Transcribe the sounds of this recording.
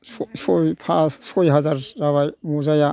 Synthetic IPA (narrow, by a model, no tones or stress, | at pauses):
ssɔjpʰasɔjɦazaɾɾaβajmɔzaja